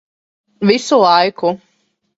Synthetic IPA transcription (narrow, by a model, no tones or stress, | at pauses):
visulˠajku